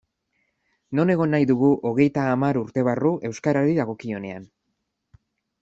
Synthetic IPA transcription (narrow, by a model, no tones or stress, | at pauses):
no̞ne̞ɣ̞o̞nːajðuɣ̞uʔo̞ɣ̞e̞jt̪aːmaɾuɾt̪e̞β̞aruʔe̞wskaɾaɾiðaɣ̞o̞kio̞ne̞a̰n